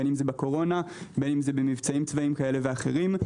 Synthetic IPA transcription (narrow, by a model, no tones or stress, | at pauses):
enimzebako̞ʁo̞nabe̞nimzebemivt͡saimt͡svaimkae̞le̞veaχe̞̰ʁim